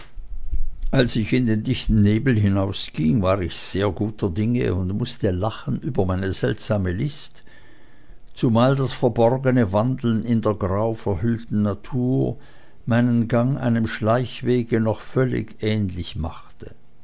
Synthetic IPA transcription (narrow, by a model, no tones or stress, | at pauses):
ʔalsɪçɪndeːndɪçtn̩neːbl̩ɦɪnaʊsɡ̥iŋvaːʁɪçz̥eːɐɡuːtʰɐdɪŋə̰ʊntmʊstəlaχən̩ʔyːbɐmaɪnəzɛltz̥aːməlɪst | t͡sumaːldasfɛɐbɔʁɡənəvandl̩nɪndeːɐɡʁaʊfɛɐhʏltn̩natʰuːɐ | maɪnənɡaŋʔa̰ɪnəmʃlaɪçv̥eːɡənɔχfœlɪ̰çʔɛːnlɪçma̰χtə